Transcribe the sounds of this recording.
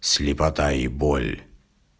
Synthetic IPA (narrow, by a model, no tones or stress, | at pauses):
sʲlʲɪpɐt̪aibɔlʲ